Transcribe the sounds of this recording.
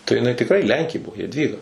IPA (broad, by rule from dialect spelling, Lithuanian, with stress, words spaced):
tɐɪ jɪˈnɐɪ tʲɪkˈrɐɪ ˈlʲɛŋʲkʲeː ˈbuɔ jɛdʲˈʋʲiːɡɐ